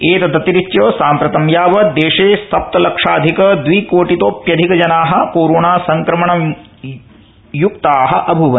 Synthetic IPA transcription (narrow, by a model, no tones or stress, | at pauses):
eːt̪ɐd̪ɐt̪iɾit͡ʃːjoːsaːmpɾɐt̪ɐmjaːʋɐd̪eːʂeːsɐp̚t̪ɐlɐkʂaːd̪ʱikɐd̪ʋiːkoːʈit̪oːpjɐd̪ʱikɐd͡ʒɐnaːɦɐ̆puːɾɳaːsɐŋkɾɐmɐɳɐm | juk̚t̪aːɦɐʔɐbʱuʋɐn